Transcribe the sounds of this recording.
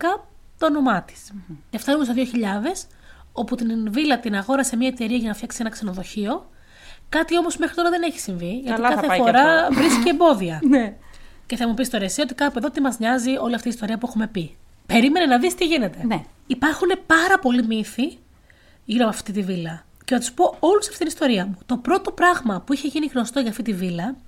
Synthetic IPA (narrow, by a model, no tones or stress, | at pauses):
kɐ | t̪oːno̞mɐt̪i̥sceft̪ɐnumos̬eðioçiʎɐðe̞s | o̞put̪invilɐt̪inɐɣo̞ɾɐsemɲɐet̪e̞ɾiɐʝɐnɐfçɐksienɐkse̞no̞ðo̞çio̞ | kɐt̪io̞mo̞zmexɾit̪oɾɐðene̞çi̥siɱviʝɐt̪ikɐθefo̞ɾɐvɾiskikembo̞ðiɐn | ce̞θɐmupist̪o̞ɾesio̞t̪ikɐpe̞ðo̞t̪imɐzɲɐzio̞liɐft̪ist̪o̞ɾiɐpue̞xume̞pi | pe̞ɾime̞nenɐðist̪iʝine̞t̪e̞nipɐɾxune̞pɐɾɐpo̞limiθi | ʝiɾomɐft̪it̪ivilɐ | cenɐt̪u̥spo̞o̞lusɐ̥ft̪itinist̪o̞ɾiɐmut̪o̞pɾo̞t̪o̞pɾɐɣmɐpuiçe̞ʝiniɣno̞st̪o̞ʝɐːft̪it̪ivilɐ